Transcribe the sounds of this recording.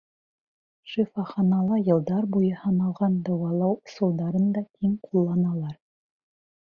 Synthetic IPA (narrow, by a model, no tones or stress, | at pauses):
ʃifɑχɑnɑlˠɑjɤ̆lˠd̪ɑɾbujɤhɑnɑlˠʁɑnd̪ɑwɑlˠɑwsŭlˠd̪ɑɾɤnd̪ɑʔimqʰulˠːɑnɑlˠɑɾ